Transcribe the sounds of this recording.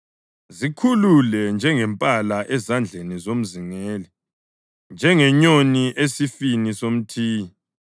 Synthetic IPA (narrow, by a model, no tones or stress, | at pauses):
zikʰululɛnd͡ʒʱɛŋɛmpʼalaʔɛzand͡ɮʱenizom̩ziŋeːli | nd͡ʒʱɛŋɛɲoniʔesifinisom̩tʰiːi